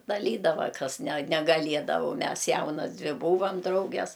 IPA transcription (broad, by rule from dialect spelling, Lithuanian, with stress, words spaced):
dɐˈlʲiːdɐʋɐ ˈkɐs nʲɛ nʲɛɡɐˈlʲiɛdɐʋoː ʊ ˈmʲɛs ˈjɛʊnɐs ˈdʲʋʲɪ ˈbuːʋɐm ˈdrɐʊɡʲɛs